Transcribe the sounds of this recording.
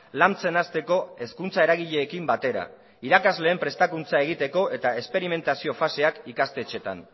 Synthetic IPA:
lamt͡se̞nast̪e̞ko̞e̞skunt͡sae̞ɾaɣiʎe̞ːkimbat̪e̞ɾa̰ | iɾakazle̞ːmpɾe̞st̪akunt͡sae̞ɣ̞it̪e̞ko̞ʔe̞t̪aespe̞ɾime̞nt̪asio̞fase̞akikast̪e̞t͡ʃe̞t̪a̰n

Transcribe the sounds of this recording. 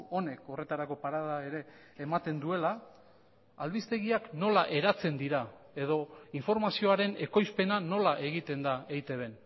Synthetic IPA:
o̞ne̞ko̞re̞t̪aɾako̞paɾaðae̞ɾe̞ː | mat̪e̞nd̪ue̞la | alβist̪e̞ɣiakno̞laʔe̞ɾat͡se̞nd̪iɾa | e̞ðo̞iɱfo̞ɾmasio̞aɾe̞ne̞ko̞jspe̞nano̞laʔe̞ɣit̪e̞nd̪aejt̪e̞βe̞n

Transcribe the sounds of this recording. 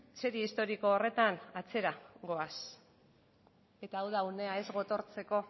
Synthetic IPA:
se̞ɾiist̪o̞ɾikoːre̞t̪anat͡se̞ɾaɡo̞as | e̞t̪aːwðaune̞ae̞zɣo̞t̪o̞ɾt͡se̞ko̞

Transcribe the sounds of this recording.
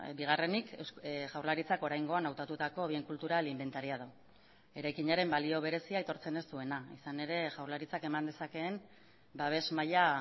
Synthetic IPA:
biɣ̞are̞niksʝawɾlaɾit͡sako̞ɾajŋɡo̞anawt̪at̪ut̪ako̞βie̞ŋkult̪uɾalimbe̞nt̪aɾiað̞o | e̞ɾajkiɲaɾe̞mbalio̞β̞e̞ɾe̞siajt̪o̞ɾt͡se̞ne̞st̪ue̞naisane̞ɾe̞ʝawɾlaɾit͡sake̞mand̪e̞sake̞ːm | baβ̞e̞zmaʎa

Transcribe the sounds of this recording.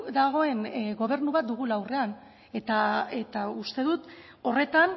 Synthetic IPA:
d̪aɣ̞o̞e̞nɡo̞β̞e̞ɾnuβat̪̚d̪uɣ̞ulawre̞an | e̞t̪aet̪aust̪e̞ðut̪ | o̞re̞t̪an

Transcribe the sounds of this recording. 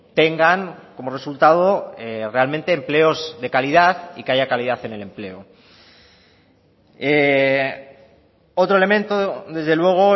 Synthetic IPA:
t̪e̞ŋɡaŋkomore̞sult̪að̞o̞ere̞alment̪e̞ːmple̞o̞zðe̞kalið̞aθikeaʝakaliðaθe̞ne̞le̞mple̞o | e | o̞t̪ɾoele̞mẽ̞nt̪oðe̞zðe̞lwe̞ɣ̞o̞

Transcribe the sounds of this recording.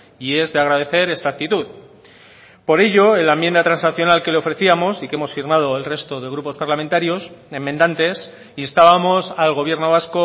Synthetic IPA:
ie̞zðeaɣɾað̞e̞θe̞ɾe̞st̪ak̚t̪it̪uð | po̞ɾe̞ʝo̞elaemje̞nd̪at̪ɾansnaθjo̞nalke̞leo̞fɾe̞θiamo̞sikeemo̞sfiɾmað̞o̞elre̞st̪o̞ð̞e̞ɣ̞ɾupo̞spaɾlamẽnt̪aɾjo̞se̞mːend̪ant̪e̞s | iest̪aβamo̞salɣo̞β̞je̞ɾno̞β̞asko

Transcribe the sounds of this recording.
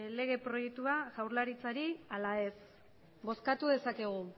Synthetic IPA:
le̞ɣ̞e̞pɾo̞je̞k̚t̪uaʝawɾlaɾit͡saɾialae̞s | bo̞skat̪uðe̞sake̞ɣ̞u

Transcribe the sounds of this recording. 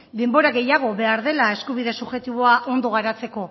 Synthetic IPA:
d̪e̞mbo̞ɾaɣe̞jaɣ̞o̞βe̞aɾðe̞lae̞skuβ̞iðe̞suʝe̞t̪iβo̞aʔo̞nd̪o̞ɣ̞aɾat͡se̞ko̞

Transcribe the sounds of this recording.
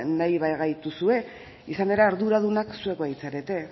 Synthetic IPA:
najβajɣajt̪usue̞ | isane̞ɾeaɾðuɾaðunaksue̞kβait͡saɾet̪e̞

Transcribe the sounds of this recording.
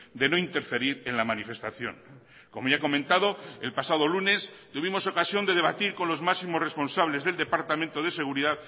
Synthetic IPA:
d̪e̞no̞int̪e̞ɾfe̞ɾiɾenlamanife̞st̪aθjo̞̰ŋ | ko̞moʝako̞mẽnt̪aðo̞elpasaðo̞lunes | t̪uβimo̞so̞kasjo̞nd̪e̞ð̞e̞βat̪iɾko̞nlo̞zmaksimosre̞spo̞nsaβle̞zðe̞ld̪e̞paɾt̪amẽnt̪oð̞e̞seɣ̞uɾiðað

